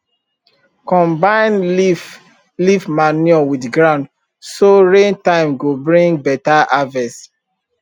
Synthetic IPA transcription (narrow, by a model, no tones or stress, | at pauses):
kɔ̃mbãɪ̃n | lifmanjɔwidɡɹãʊ̃nd | soɹẽntãɪ̃mɡobɹĩŋɡbɛtaʔavɛs